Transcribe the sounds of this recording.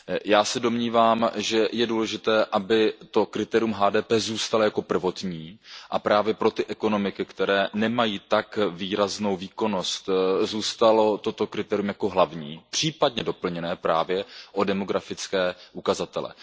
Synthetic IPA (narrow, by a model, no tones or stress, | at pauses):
jaːsɛdo̞mɲiːvaːmʒɛjɛduːlɛʒɪt̪ɛːʔabɪt̪o̞kɾɪt̪ɛːɾɪjumɦaːdɛːpɛːzuːst̪alojako̞pr̩vo̞t̪ɲiːʔapɾaːvjɛpɾo̞t̪ɪʔɛko̞no̞mɪkɪkt̪ɛɾɛːnɛmajiːt̪akviːɾazno̞wviːko̞no̞st̪zuːst̪alo̞t̪o̞t̪o̞kɾɪt̪ɛːɾɪjumjako̞ɦlavɲiːpr̝̥iːpad̚ɲɛdo̞pl̩ɲɛnɛːpɾaːvjɛʔo̞dɛmo̞ɡɾafɪt͡skɛːʔukazat̪ɛlɛ̰